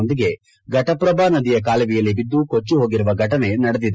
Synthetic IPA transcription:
nd̪iɡe̞ | ɡɐʈɐpɾɐbaːnɐd̪ijɐk̬aːlɐʋijɐlːibid̪ːukot͡ʃːuɦoːɡiɾuʋɐɡʱɐʈɐne̞nɐɽed̪id̪

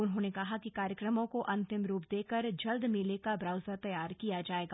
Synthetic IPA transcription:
ʊnɦõnekɐɦakikaːɾjəkɾəmõkoʔɐ̃nt̪ɪmɾuːpd̪eːkəɾd͡ʒɐld̪meːlekabɾaːʊzat̪ɐjaːɾkijad͡ʒaːeːɡaː

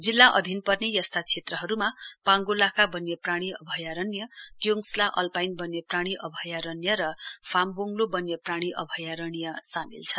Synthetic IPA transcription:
d͡zilːaʔʌd̪ʱinpʌrnejʌst̪ʰat͡sʰet̪rʌɦʌɾumapãŋɡolakabʌnjʌpraɽ̃iʌ̰bʱʌjaɾʌnjʌkjoŋslaʔʌlpajnbʌnjepraɽ̃iʔʌbʱʌjaɾʌnjʌɾʌpʰamboŋlobʌnjʌpraɽ̃iʔʌbʱʌjaɾʌɽ̃ijʌsamḭlt͡sʰʌ

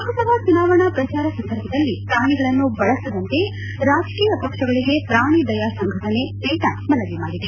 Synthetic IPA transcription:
kɐsɐbɐt͡ʃunaːʋɐɳɐpɾɐt͡ʃaːɾɐsɐnd̪ʱɐɾbʱɐd̪ɐlːipɾaːɳiɡɐɭɐnːubɐɭɐsid̪ɐnt̪e̞ | ɾaːd͡ʒkiːjɐpɐkʂɐɡɐɭiɡe̞pɾaːɳ̃id̪ɐjaːsɐŋɡʱɐʈɐne̞teːʈamɐnɐʋimaːɽid̪e

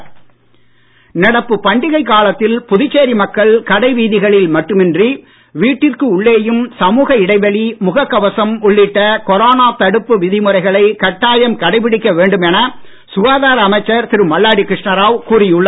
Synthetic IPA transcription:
nɐɽɐpːɯpɐɳɖɪɣɐɪkːaːɭɐt̪ːɪlpʊðɪt͡ʃːeːɾimɐkːɐɭkɐɽɐɪʋiːðɪɣɐɭɪlmɐʈːɯmɛndri | ʋiːʈːɪrkɯʊɭːeːjɯmsɐmuːɣɐɪɽɐɪʋɐɭimʊɣɐkːɐʋɐsɐmʊɭːɪʈːɐkɔɾoːnaːt̪ɐɽɯpːɯʋɪðɪmɯrɐɪɣɐɭɐɪkɐʈːaːjɐmkɐɽɐɪpɪɽɪkːɐʋeːɳɖɯmɛnɐ | sʊʋaːðaːɾɐɐmɐɪt͡ʃːɐɾt̪ɪɾɯmɐlːaːɽikɾɪʂɳɐɾaːʋkuːrɪjɯɭːɐ

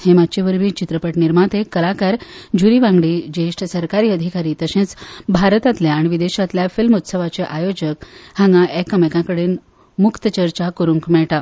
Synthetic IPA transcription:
hemat̪t͡ɕeʋəɾbʱiːt͡ɕit̪ɾəpəʈniɾmat̪ekəlakaɾd͡ʑʱuɾiʋãŋɡɽiːd͡ʑeʂʈʰsəɾkaɾiːəd̪ʱikaɾiːt̪əɕẽt͡sbʱaɾt̪at̪leaɽ̃iʋid̪eɕat̪ljafilmut̪səʋat͡seʔajod͡ʑəkhãŋɡãʔekːəmekãkəɽen | mukt̪ət͡ɕəɾt͡ɕakuɾũŋkmɛɭʈa

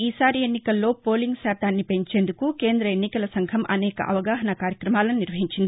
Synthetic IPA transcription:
iːsaːɾienːikɐlːo̞ːpo̞ːliŋɡsaːt̪aːnːipe̞ɲt͡ʃe̞ːnd̪ukuke̞ːnd̪ɾɐenːikɐlɐsɐŋɡʰʱɐmʔɐ̰nɛːkɐ̰ʔɐ̰ʋɐɡaːɦɐnɐkaːɾjɐkɾɐmaːlɐnniɾʋɐɦiɲt͡ʃind̪ii

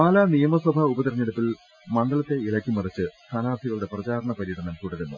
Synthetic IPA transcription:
aːlaːnijɐmɐswɐbʱɐubɐt̪irɐɲːeɽupːil | mɐɳɖɐɭɐt̪ːe̞ilɐkʲːimɐrɐt͡ɕːɨst̪ʰaːnaːt̪ʰiɣɐɭuɽe̞prɐt͡ɕaːɾɐɳɐpɐɾiːʈːɐɳɐmkuɽɐðenːṵ

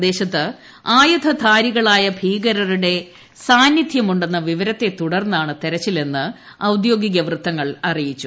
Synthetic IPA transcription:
d̪e̞ːɕɐt̪ːɨ | aːjɐd̪ʰʱɐd̪ʱʰaːɾiɣɐɭaːjɐbʱiːɡɐɾɐɾuɽe̞ | saːnjid̪ʱjɐmuɳɖe̞nːɐʋiʋɐɾɐt̪ːe̞t̪uɽɐrnːaːɳɨt̪eɾɐt͡ɕːile̞nːɨ | ɐwd̪jo̞ːɡiɣɐʋrɨt̪ːɐŋːɐɭɐrijit͡ɕːu

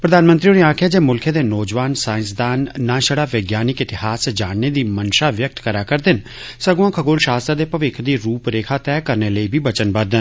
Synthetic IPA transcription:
pɾəd̪aːnmə̃nt̪ɾioɽiãːkʰjad͡ʒeːmʊlkʰeːd̪eːnɔːd͡ʒʋaːnsaːɪ̃nsd̪aːnːãːʃəɽaːʋeɡjaːnɪkɪt̪ɪhaːsd͡ʒaːnned̪iːmənʃaːʋjək̚t̪kəɾaːkəɾd̪ɪn | səɡuãːkʰəɡoːlʃaːst̪ɾad̪eːpəʋɪkʰd̪iːɾuːpɾeːkʰaːt̪ɛːkəɾneːləiːbʱiːbət͡ʃənbəd̪ən

